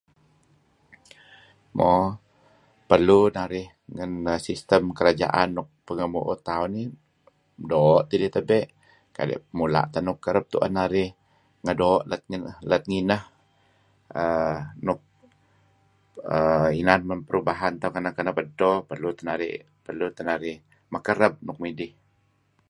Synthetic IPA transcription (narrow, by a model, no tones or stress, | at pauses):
mʔɔ | pərlunaɾɪh | ŋənəsist̪əmkəɾad͡ʒa̰ʔanːʊk̚pəŋəmuʔot̪auni | dɔʔt̪ilit̪əbɛʔ | ka̰dɛ̰ʔmula̰ʔt̪anʊkːəɾəp̚t̪ṵʔə̰naɾɪh | ŋədoːʔlət̪̚ŋənələt̪̚ŋinəh | ənʊk̚ | əinanmənpəɾubaɦant̪aukanakənəpədɔpərlut̪ənaɾɪ̰ʔ | pərlut̪ənaɾɪh | məkəɾəb̚nʊk̚midɪh